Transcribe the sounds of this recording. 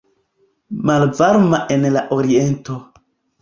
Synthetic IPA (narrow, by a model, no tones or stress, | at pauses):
malvaɾmaʔe̞nlaʔoɾie̞nto